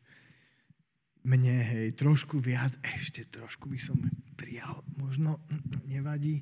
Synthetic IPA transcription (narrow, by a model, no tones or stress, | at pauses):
mɲɛɦɛjt̪ɾɔʃkuʋɪad͡zɛʃcɛt̪ɾɔʃkubisɔmpɾijalmɔʒnɔɲɛʋaɟiː